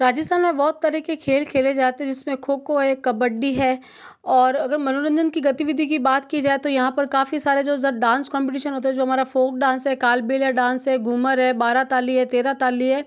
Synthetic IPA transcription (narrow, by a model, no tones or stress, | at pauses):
ɾaːd͡ʒəst̪ʰaːnmẽbɔːt̪ːɐɾikekʰeːlkʰeːled͡ʒaːt̪eɦɛ̃d͡ʒɪsmẽkʰoːkoɦɛkɐbəɖːiɦɛː | ɔːɾɐɡəɾmɐnoːɾə̃nd͡ʒənkiɡɐt̪iʋɪd̪ʱikibaːt̪kid͡ʒaːet̪ojɐɦãpɐɾkaːfisaːɾed͡ʒoːzɐɾɖãːnskɔ̃ːmpɪʈ̬iːʃənɦoːt̪̬aɦɛd͡ʒoːɦɐmaːɾafoːk̚ɖãːnsɦɛkaːlbeːlɦɛɖãːnsɦɛɡuməɾɦɛbaːɾat̪aːliɦɛt̪eːɾat̪aːliɦɛː